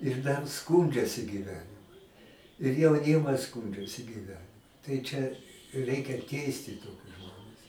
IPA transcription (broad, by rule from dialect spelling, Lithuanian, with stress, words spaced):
ɪr dɐr ˈskuːnʲd͡ʒʲɛsʲɪ ɡʲiːˈʋʲæːnʲɪmʊ ɪr jɛʊˈnʲɪmɐs ˈskuːnʲd͡ʒʲɛsʲɪ ɡʲiːˈʋʲæːnʲɪmʊ tɐɪ ˈt͡ʃʲɛ ˈrʲɛɪkʲɛ ˈtʲɛɪsʲtʲɪ ˈtoːkʲʊs ˈʒmoːnʲɛs